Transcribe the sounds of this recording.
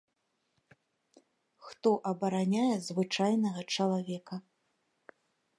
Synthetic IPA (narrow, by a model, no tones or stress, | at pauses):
xt̪ɔʔɐbɐɾanʲajɛzvɨt͡ʂajnɐɣɐt͡ʂɐlˠavʲɛkɐ